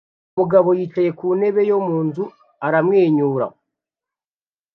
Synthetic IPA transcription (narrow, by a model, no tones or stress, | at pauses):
umuɡaβo̞jiːt͡ʃaje̞kuːne̞βe̞jo̞muːnzu | aɾamŋeːɲuːɾa̰